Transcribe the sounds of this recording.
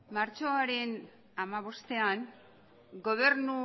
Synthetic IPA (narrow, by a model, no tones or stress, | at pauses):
maɾt͡ʃo̞aɾe̞n | amaβ̞o̞st̪e̞an | ɡo̞β̞e̞rnu